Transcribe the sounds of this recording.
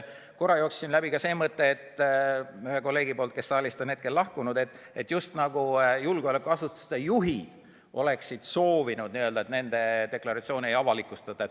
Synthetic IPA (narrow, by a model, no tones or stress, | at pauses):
ko̞rɑjo̞ːksːinlæbikɑse̞ːmɤt̪ːe̞et̪ːˑ | yhe̞ko̞lːe̞ːɡipo̞ːlt̪ke̞sːɑːlʲist̪one̞t̪̚ke̞lːɑhkunud̪̥e̞t̪ːˑ | et̪ːˑjust̪nɑɡ̥ujulɡ̥eolekːˑuɑsut̪ːu̥st̪ejuɦid̪̥ | ʔo̞̰le̞ksid̪̥so̞ːvinud̪̥̚niøld̪ɑet̪ne̞nd̪̥e̞d̪e̞klɑɾɑt̪sio̞ːniejɑvɑlikːˑust̪ɑt̪ːˑɑet̪